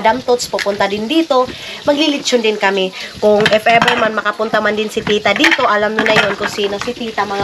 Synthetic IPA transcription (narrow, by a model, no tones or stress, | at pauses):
damt̪ut̪spopunt̪adɪndit̪umaɡlilit͡ʃʊndɪnkamikʊŋɛfɛbɛlmanmakapunt̪amandɪnsit̪it̪adit̪uʔalamnunajnʊnkusinasit̪it̪ama